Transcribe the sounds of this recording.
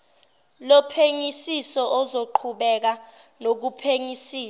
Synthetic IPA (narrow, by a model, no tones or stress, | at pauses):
lɔpʰeŋisisɔʔɔzoǃʰuɓɛk̬anok̬upʰeŋisiːa